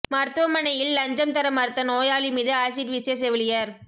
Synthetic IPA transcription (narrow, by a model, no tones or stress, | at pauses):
mɐɾt̪ɯʋɐmɐnɐjɪlːɐɲd͡ʒɐmt̪ɐɾɐmɐɾt̪ːɐnoːjaːɭimiːðɯaːsiɾʋɪses̬ɛʋɪlɪjɐɾ